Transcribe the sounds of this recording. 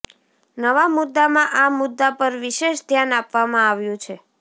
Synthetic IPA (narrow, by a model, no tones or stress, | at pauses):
nəʋamʊd̪ːamãʔamʊd̪ːapəɾʋiʃeʃd̪ʱjanapʋamãaʋjũt͡ʃʰe